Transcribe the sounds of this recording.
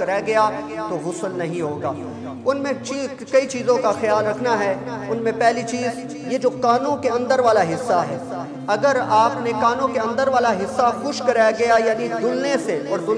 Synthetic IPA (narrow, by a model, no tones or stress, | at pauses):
ɐɾaɡɐjaːt̪oɦʊsəlnɐɦĩɦoːɡaː | ʊnmẽt͡ʃiː | kɐit͡ʃiːzõkaxjaːlɾɐkʰnaɦɛʊnmẽpɛɦlit͡ʃiːz | jed͡ʒoːkaːnõkeɐ̃nd̪əɾʋaːlaɦɪsːaɦɛː | ɐɡəɾaːpnekaːnõkeɐ̃nd̪əɾʋaːlaɦɪsːaxʊʃkɐɾajɡɐjajaːnid̪ʊlneseɔːɾd̪ʊl